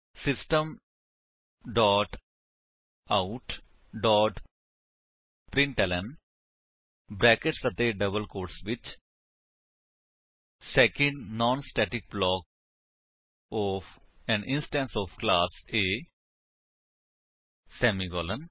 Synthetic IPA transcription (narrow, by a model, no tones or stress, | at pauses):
sɪsʈə̃m | ɖɔːʈ | aʊʈ | ɖɔːʈ | pɾɪ̃ɳʈɛlə̃n | bɾɛːkeʈsət̪eːɖəbəlkoːɾʈsʋɪt͡ʃ | sɛːkə̃ɳɖnɔ̃ːnsʈɛːʈɪk̚blɔːk̚ | ɔːfɛ̃nɪ̃nsʈɛ̃ːnsɔːfklaːseː | sɛːmiɡɔːlə̃n